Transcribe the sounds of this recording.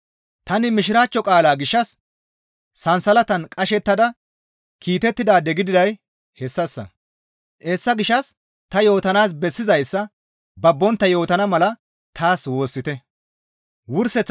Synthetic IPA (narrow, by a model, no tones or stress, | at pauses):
t̪ɐnɪmɪʃɪɾaːt͡ʃːɔkʼaːlaːɡɪʃːɐsː | ɐnsɐlɐt̪ɐnkʼɐʃɛt̪ːɐd̪ɐ | kʰiːt̪ɛt̪ːɪd̪aːd̪ɛɡɪd̪ɪd̪ɐj | hɛsːɐsːɐ̰ | ʔeːsːɐɡɪʃːɐs | t̪ɐjo̞ːt̪ɐnaːs̬bɛsːɪzɐjsːɐ | bɐbːɔnt̪ːɐjo̞ːt̪ɐnɐmɐlɐ | t̪ʰaːswo̞ːsːɪt̪ɛ | wʊɾsɛt͡sː